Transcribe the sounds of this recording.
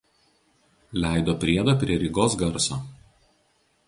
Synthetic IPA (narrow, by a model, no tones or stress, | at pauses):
lʲæˑɪd̪oːpʲɾʲiɛd̪ɐːpʲɾʲiɛɾʲɪɡoːsɡɐɾsoː